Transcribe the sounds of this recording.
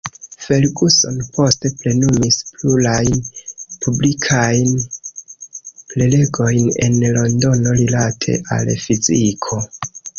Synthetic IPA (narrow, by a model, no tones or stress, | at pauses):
fe̞lɡuso̞̰npʰo̞ste̞ple̞numispluɾajnpʰublikʰajn | plele̞ɡo̞jne̞̰nlo̞ndo̞no̞ɾilatʰe̞̰ʔa̰lfizikʰo̞